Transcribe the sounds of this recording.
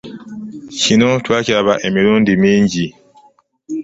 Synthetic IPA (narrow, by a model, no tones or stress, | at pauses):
cino̞twaːcaβaʔe̞miɾuːndimiːɲɟi